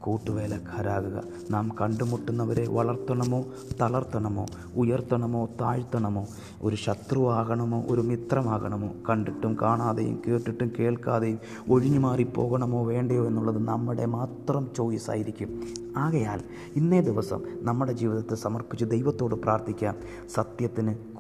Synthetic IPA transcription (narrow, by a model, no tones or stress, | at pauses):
kuːʈːuʋe̞ːlɐɡʰʱɐɾaːɣuɣɐ̰ | naːmkɐɳɖumuʈːunːɐʋɐɾe̞ʋɐɭɐrt̪ːɐɳɐmo̞ː | t̪ɐɭɐrt̪ːɐɳɐmo̞̰ː | ujɐrt̪ːɐɳɐmo̞ːt̪aːɻt̪ːɐɳɐmo̞ː | oɾuɕɐt̪ruʋaːɣɐɳɐmo̞ːʔoɾumit̪rɐmaːɣɐɳɐmo̞̰ːkɐɳɖiʈːumkaːɳaːðɐjṵmke̞ːʈːiʈːumke̞ːɭkaːðɐjum | o̞ɻiɲːumaːripːo̞̰ːɣɐɳɐmo̞ːʋe̞ːɳɖɐjo̞ːe̞nːuɭːɐðɨnɐmːiɽe̞maːt̪rɐmt͡ɕo̞ːðisa̰ːjiɾikʲːumaːɣɐja̰ːl | inːe̞ːd̪iʋɐsɐ̰mnɐmːuɽe̞d͡ʑiːʋiðɐt̪ːɨsɐmɐrpit͡ɕːɨd̪ejʋɐt̪ːo̞ːɽɨpraːrt̪ʰikʲːaːn | sɐt̪jɐt̪ːinɨk